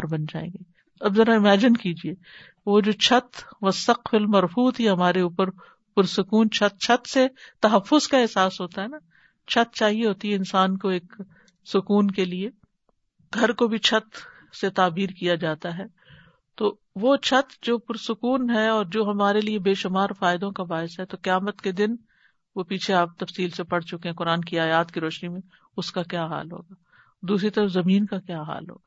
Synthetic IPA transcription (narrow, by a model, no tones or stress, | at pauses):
ɾbɐnd͡ʒa̰ːḛ̃ːŋɡeː | ɐbzɐɾaɪmɛːd͡ʒɪnkiːd͡ʒieː | ʋod͡ʒoːt͡ʃʰɐt̪ʋɐsɐqfɪlmɐɾfuːt̪ɦiɦɐmaːɾeuːpəɾ | pʊɾsʊkuːnt͡ʃʰɐt̪̚t͡ʃʰɐt̪set̪ɐɦɐfːʊzkaɛɦsaːsɦoːt̪aɦɛna | t͡ʃʰɐt̪̚t͡ʃaːɦieɦoːt̪iɦɛɪnsaːnkoeːk | sʊkuːnkelie | ɡʱɐɾkobʱit͡ʃʰɐt̪ | set̪aːbiːɾkijad͡ʒaːt̪aɦɛ | t̪oː | ʋot͡ʃʰɐt̪d͡ʒoːpʊɾsʊkuːnɦɛɔːɾd͡ʒoːɦɐmaːɾeliebeːʃʊmaːɾfaːɪd̪õkabaːɪsɦɛt̪okɪjaːmət̪ked̪ɪn | ʋopiːt͡ʃʰeaːp̚t̪ɐfsiːlsepɐɽt͡ʃʊkẽɦɛ̃kʊɾaːnkiaːjaːt̪kiɾɔːʃnimẽ | ʊskakjaːɦa̰ːlɦo̰ːɡaː | d̪uːsɾit̪ɐɾəfzɐmiːnkakjaːɦa̰ːlɦo̰ːɡaː